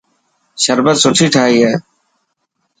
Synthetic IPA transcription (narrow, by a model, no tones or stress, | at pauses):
ʃəɾbət̪sʊʈʰiːʈʰaːɦiːɦɛː